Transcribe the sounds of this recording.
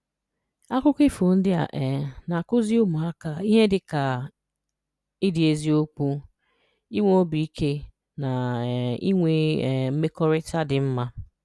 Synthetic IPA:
a˦kʷʊ˦kɪ˦fo˨n̩˦dɪ˦a̰˨ʔɛ˨na˨kʊ˦zi˦ʊ˦mʊ˨a˦ka˨i˦ɦe˦dɪ˨ka˨ | ɪ˦dɪ˨e˦zi˦o˦k͡pu˦ | i˦ŋʷ˦o˦bi˨i˦kʰe˦ | na˨ḭ˦ŋʷe˨m̩˦me˦kɔ˦ɾɪ˦ta˦dɪ˨m̩˦ma˦

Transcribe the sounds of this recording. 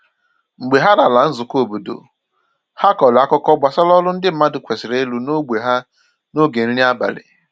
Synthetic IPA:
ŋ͡m̩˨ɡ͡be˨ɦa˦ɾa˨la˨n̩˦zʊ˨ko˦bu˨do̰˨ | ha˦kɔ˨la˦kɔ˦kɔ˦ɡ͡ba˨sa˦lɔ˦lʊ˦n̩˦dɪ˦m̩˦ma˦dɪ˨kʷe˨sɪ˨ɾe˦e˦lu˨no˦ɡ͡be˨ɦa˦ | no˦ɡe˨n̩˦li˦a˦ba̰˨lɪ̰˨

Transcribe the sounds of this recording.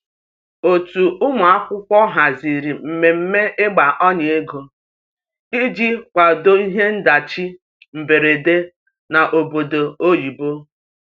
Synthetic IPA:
o˨tu˨ʔʊ˦mʊ˨a˦kʷʊ˦kʷɔ˦ɦa˨zi˨ɾi˨m̩˨me˨m̩˦me˦ʔe˦ɡ͡ba˨ʔɔ˦ɲe˨e˦ɡo˨ | i˦d͡ʒi˦kʷa˨do˦i˦ɦe˦n̩˦da˨t͡ʃi˦ | m̩˨be˨ɾe˨de˦ | na˨ʔo˨bo˨do˨o˦ji˨bo˦

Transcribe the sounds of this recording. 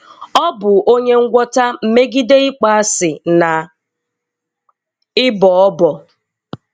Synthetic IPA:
ɔ˦bʊ˨o˦ɲe˦ŋ̩˦ɡʷɔ˦ta˦m̩˨me˦ɡi˦de˦ɪ˦k͡pa˦a˦sɪ˨na˨ | ɪ˦bɔ˨ɔ˦bɔ˨

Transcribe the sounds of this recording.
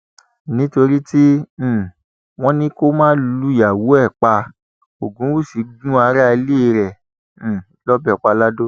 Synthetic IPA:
nĩ˦to˧ɾi˦tĩ˦˨ | w̃ɔ̃˦nĩ˦ko˦mãː˦lu˦ja˨wo˨˦ɛ˦˨k͡pa˧ | o˨ɡũ˨˦wu˦˨si˨˦ɡũ˦a˧ɾa˦a˧le˦˧ɾɛ̃˨ | lɔ˦bɛ˨k͡pa˧la˦do˦

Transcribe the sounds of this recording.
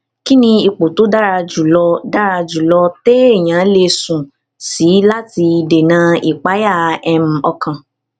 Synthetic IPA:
ki˦nĩ˧i˨k͡po˨to˨˦da˦ɾa˧d͡ʒu˨lɔ˧da˦ɾa˧d͡ʒu˨lɔ˧te˦e˦˨j̃ã˨˦le˧sũ˨ | si˨˦la˦ti˧de˨nã˧˦i˨k͡pa˨˦ja˦˨ɛ˧m̩˨ɔ˧kʰã˨

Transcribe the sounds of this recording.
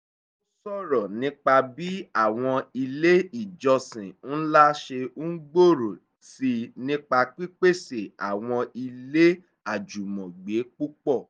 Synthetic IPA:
o˦sɔ˦˨ɾɔ˨nĩ˦k͡pa˧bi˦a˦˨w̃ɔ̃˧i˧le˦i˦˨d͡ʒɔ˧sĩ˨n̩˦la˦ʃe˧u˦ɡ͡bo˦˨ɾo˨ | si˧nĩ˦k͡pa˧k͡pi˦k͡pe˦˨se˨a̰˨w̃ɔ̃˧i˧le˦ | a˦˨d͡ʒu˨mɔ̃˨ɡ͡be˨˦k͡pu˦k͡pɔ˦˨

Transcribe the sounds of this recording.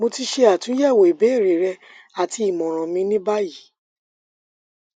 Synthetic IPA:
mo˧ti˦ʃe˧a˨tũ˨˦jɛ˦˨wo˨i˨be˨˦˨ɾe˨ɾɛ˧ | a˨ti˧i˨mɔ̃˨ɾ̃ɔ̃˨mĩ˧nĩ˦ba˦ji˨˦

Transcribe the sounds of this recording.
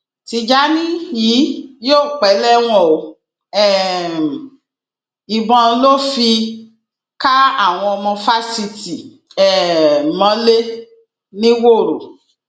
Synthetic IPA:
ti˧d͡ʒa˨˦nĩ˦ji˨˦joː˦˨k͡pɛ˨˦lɛ˦w̃ɔ̃˦˨o˨˦ | ɛ˦˨ | i˨bɔ̃˧lo˦fi˧ | ka˦a˦˨w̃ɔ̃˧ɔ˧mɔ̃˧fa˦si˧ti˨ | ɛ˦˨mɔ̃˨˦le˦ | nĩ˦wo˦˨ɾo˨

